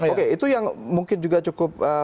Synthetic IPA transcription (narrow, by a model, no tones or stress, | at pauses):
okeit̪ujaŋmuŋkɪnd͡ʒuɡat͡ʃukʊp̚ə